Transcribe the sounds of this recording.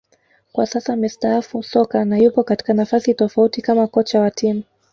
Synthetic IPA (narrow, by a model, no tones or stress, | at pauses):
kwasasamistaafusɔkanajupɔkati̥kanafasitɔfautikamakɔt͡ʃawatʰimu